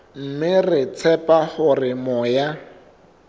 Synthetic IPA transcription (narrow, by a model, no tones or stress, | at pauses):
m̩mɪrɪt͡sʰɛpahʊrɪmɔja